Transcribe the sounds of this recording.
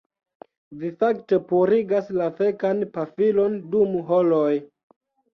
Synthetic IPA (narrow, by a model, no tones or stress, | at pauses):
vifakte̞puɾiɡaslafekanpafilo̞ndumuɦoloj